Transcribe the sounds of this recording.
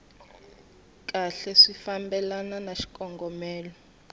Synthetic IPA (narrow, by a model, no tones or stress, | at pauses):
k̬ʼaɬɛʂifambɛlananaʃi̥kʼɔŋɡɔmɛːlɔ